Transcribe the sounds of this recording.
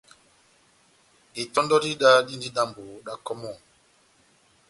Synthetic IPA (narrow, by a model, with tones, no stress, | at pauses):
e˨tɔ˦ndɔ˦di˦ɗa˦di˦ndi˦da˦mbo˨ɗa˦kɔ˦mɔ˦˨